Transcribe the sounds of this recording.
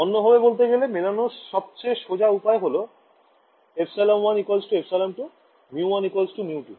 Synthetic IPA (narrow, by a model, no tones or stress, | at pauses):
ɔnːobʱɔbebolt̪eɡelemelanoʃɔb̚t͡ɕeʃod͡ʑaupaeɦolo | epʰsalamwanikwalsʈuepʰsalamʈu | miuwanikalsʈunjiuʈi